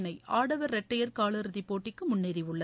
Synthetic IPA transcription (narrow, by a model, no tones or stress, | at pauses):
nɐɪʔaːɽɐʋɐɾːɐʈːɐjɐɾkaːɭɯɾɯðɪpːoːʈːɪkːɯmʊnːɪɾɪʋɯɭːɐ